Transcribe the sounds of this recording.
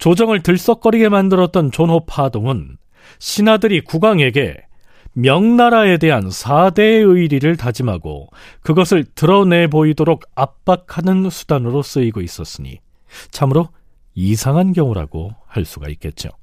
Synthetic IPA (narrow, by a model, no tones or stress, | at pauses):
t͡ɕod͡ʑʌŋɯɭtɯɭs͈ʌk͈ʌɾiɡe̞mandɯɾʌt̚t͈ʌnt͡ɕonɦopʰadoŋɯn | ɕʰinadɯɾikuɡaŋe̞ɡe̞̰ | mjʌŋnaɾae̞de̞ɦansʰade̞ɯiɾiɾɯɭtad͡ʑimɦaɡo̰kɯɡʌsʰɯɭtɯɾʌne̞boidoɾoɡap̚p͈akʰanɯnsʰu̥d̥anɯɾos͈ɯiɡois͈ʌs͈ɯɲḭ | t͡ɕʰamɯɾo | isʰaŋɦankjʌŋuɾa̰ɡo̰haɭs͈uɡa̰ik͈e̞t̚t͡ɕ͈o̰